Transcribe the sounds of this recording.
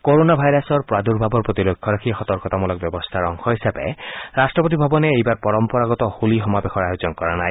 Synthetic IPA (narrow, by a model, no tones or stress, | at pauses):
koɹonabʱajɾasɔɹpɹad̪uɹbʱabɔɹpɹot̪ilokʰːɔɹakʰiaxɔt̪ɔɹkɔt̪amɔlɔk̚bjɔbɔst̪ʰaɹɔŋxɔɦisabɛ̰ɹastɹɔpot̪̬ibʱabɔnɛejbaɹpɔɹɔmpɔɹaɡɔt̪ɔhulixɔmabexɔɹajozɔnkɔɹanaj